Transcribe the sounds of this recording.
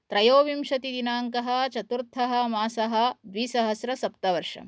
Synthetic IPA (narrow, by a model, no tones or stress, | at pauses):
t̪ɾɐjoːʋimʃɐt̪id̪inaːŋkɐɦɐ̆t͡ʃɐt̪uɾt̪ʰɐɦɐ̆maːsɐɦɐ̆d̪ʋiːsɐɦɐsɾɐsɐp̚t̪ɐʋɐɾʂɐ̰m